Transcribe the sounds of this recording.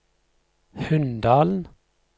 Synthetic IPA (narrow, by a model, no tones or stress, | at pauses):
hʉnd̪ɑːln̩